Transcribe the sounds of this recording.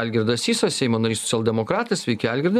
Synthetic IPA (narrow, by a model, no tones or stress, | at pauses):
ælʲɡʲɪɾd̪ɐsiːsɐsʲɛɪmoːnɐɾʲiːsɔ̥t͡s̪ʲɛlˠʲd̪ʲɛmokɾɑːt̪ɐsʋʲɛɪkʲɛælʲɡʲɪɾd̪